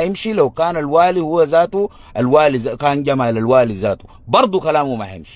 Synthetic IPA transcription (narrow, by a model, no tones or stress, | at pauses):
jimʃilawkaːnalwaːlihuwːazaːt̪u | alwaːlizakaːnɟamalalwaːlizaːt̪u̥ | bɑɾˤd̪ˤukalaːmumahjḭmʃi̥